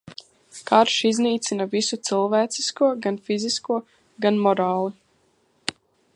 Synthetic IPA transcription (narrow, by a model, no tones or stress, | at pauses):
kaɾʃizniːt̪sinavisut̪silˠvæːt̪siskuɔɡanfiziskuɔ | ɡanmɔɾaɑːlˠi